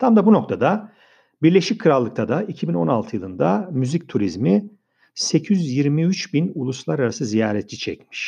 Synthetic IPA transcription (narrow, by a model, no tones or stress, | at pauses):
t̪ʰamd̪abuno̞k̚t̪ʰad̪a | biɾlʲeʃic̚ʲkʰɯɾalˠːɯk̚t̪ʰad̪aicʰibino̞nalˠt̪ʰɯjɯlˠɯnd̪amyzic̚t̪ʰuɾizmi | secʰyzjiɾmiyt͡ʃbinulˠuslˠaɾaɾasɯzijaːɾɛt̪ʰlʲit͡ʃʰɛcmi̥ʃ